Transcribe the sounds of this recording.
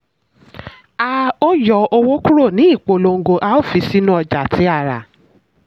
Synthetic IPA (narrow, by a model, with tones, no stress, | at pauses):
a˧o˦jɔ˧o˧wo˦ku˦ɾo˦˨nĩ˨˦i˦˨k͡po˧lo˧ŋ̩˦ɡo˧ʔa˧˦o˦˨fi˨˧si˦nũ˦ɔ˧d͡ʒa˨tʰi˨˦a˧˨ɾa̰˨